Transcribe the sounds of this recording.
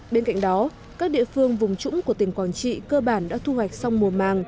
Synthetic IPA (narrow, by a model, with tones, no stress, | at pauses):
ɓe˧nka̰˧˨jŋ̟ɗɔ˨˦ | kaː˦˥k̚ɗḭ˧˨əfɨ˧əŋvʊ˨˩ŋ͡mt͡ɕʊ̰˧˥ŋ͡mku˧˩ət̪i˨˩ŋ̟kwaː˨˩nt͡ɕḭ˧˨kəː˧ɓaː˧˩nɗa̰ː˧˥t̪ʰu˧hwa˨˩jk̟̚sa˧wŋ͡mmu˨˩əmaː˨˩ŋ